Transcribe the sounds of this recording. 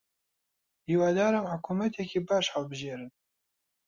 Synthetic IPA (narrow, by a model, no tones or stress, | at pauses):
diːwaːd̪aːɾamħʊkʰuːmɛt̪ʰɛkʰiːbɑːʃhalbɨʒeːɾɨn